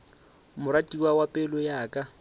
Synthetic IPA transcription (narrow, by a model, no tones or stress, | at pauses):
mʊɾatʼiwawapʼɛlɔjaːkʼa